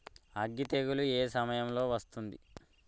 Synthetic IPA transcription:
ɐɡːit̪eɡulueːsɐmɐjɐmlo̞ːʋɐst̪und̪i

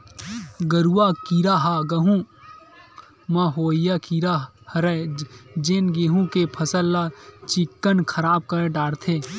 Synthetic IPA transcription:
ɡəɾuwakiːɾaɦaɡɐɦũ | mɐ̃ɦoːijakiɾa | hɐɾɛd͡ʒenɡeːɦũkepʰəsəlːat͡ʃɪkːənkʰəɾaːb̚kəɾɖaːɽt̪ʰeː

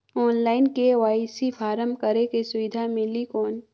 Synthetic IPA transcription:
ɔːnlaːɪnkeʋaːsifʰaːɾəmkəɾekesʊʋɪd̪ʱamɪlikɔːn

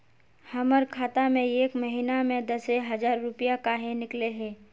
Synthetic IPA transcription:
hɐməɾkʰaːt̪amẽeːkməɦiːnamẽd̪əseɦɐzaːɾːʊpijakaːɦẽnɪkleɦeː

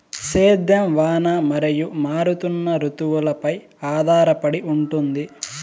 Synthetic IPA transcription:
seːd̪jɐmʋaːnamɐɾijumaːɾut̪unːɐɾut̪uʋulɐpɐj | aːd̪ʱaːɾɐpɐɽiuɳʈund̪i

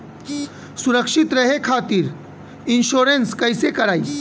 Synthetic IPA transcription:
suɾəkʂit̪ɾɐɦekʰaːt̪iːɾ | inʃoːɾenskəjsekɐɾaːi

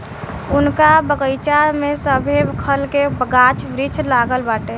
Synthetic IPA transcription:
unkabəɡəjt͡ʃaɾmesəbʱekʰəlkebəɡat͡ʃʰʋɾit͡ʃʰlaɡəlbaʈe

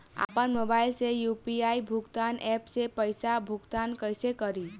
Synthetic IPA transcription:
a̰pənmobajlsejupiajbʱukt̪anʔɛpsepəjsabʱukt̪ankəjsekəɾi

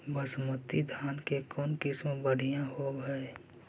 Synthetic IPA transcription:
bəsmət̪id̪ʱaːnkekɔːnkɪsmõbəɽ̤ijãɦoːbɛe

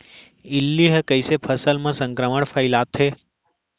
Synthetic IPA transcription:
ɪlːiɦəkəjsepʰəsəlmãsə̃ŋkɾəməɳpʰəjlat̪ʰɦe

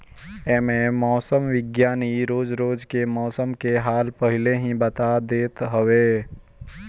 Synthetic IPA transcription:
ɛːmẽmɔːsəmʋɪɡjaːniɾoːd͡ʒɾoːd͡ʒkemɔːsəmkeɦaːlpəɦɪleɦĩbət̪ad̪eːt̪ɦəʋe

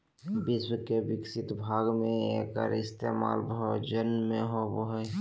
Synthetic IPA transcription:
bɪswəkebɪksɪt̪bʱaːɡmẽeka̰ɾɪst̪eːma̰ːlbɦʊd͡ʒənmẽɦoboɦɛ

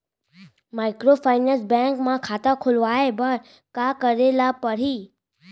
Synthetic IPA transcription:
maːɪkɾofaːɪnẽnsbɛ̃ŋkmãkʰaːt̪akʰolʋaːebəɾ | kakəɾelapəɽ̤iː

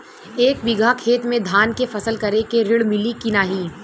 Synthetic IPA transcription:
eːkʋɪɡʱakʰeːt̪mẽd̪ʱaːnkefɐsəlkɐɾekeɾɪɭmɪlikɪnaːɦiː

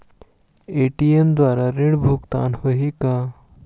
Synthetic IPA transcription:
eːʈiemd̪waːɾaɾɪɽbʱʊkt̪a̰ːnhoɦika

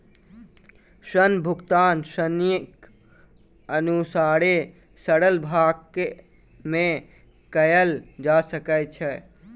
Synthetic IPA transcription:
sənbʱukt̪ansənik | ənusaɾe | səɽəlbʱaɡke | me | kəjəld͡ʒasəkɛt͡ʃʰɛ

